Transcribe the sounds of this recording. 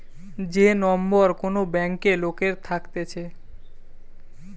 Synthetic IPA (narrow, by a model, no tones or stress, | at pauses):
d͡ʑenɔmboɾkonobɛŋkelokeɾt̪ʰakt̪et͡ɕʰe